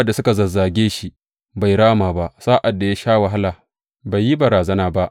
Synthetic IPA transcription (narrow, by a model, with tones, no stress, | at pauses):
ʔdːa˨sʊ˦ka˨zɐ˨zːaː˨ɡʲeː˦ʃi˦ | ba˨jɽaː˦maː˨ba˦ʔsaː˦ʔa˨dːa˨ja˦ʃaː˦wɐ˨ɦa˦laː˨ | ba˨jːi˦bɐ˨ɾaː˨zɐ˦naː˦ba˦ʔ